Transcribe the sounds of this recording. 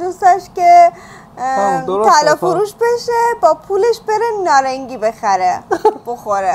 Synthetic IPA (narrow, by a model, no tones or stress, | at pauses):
d̪ust̪ɛʃke | t̪ʰælɒːfoɾuːʃbe̞ʃebɒːpʰuːleʃbe̞ɾenɒːɾæŋɡiːbe̞xæɾeb̥o̞xoɾe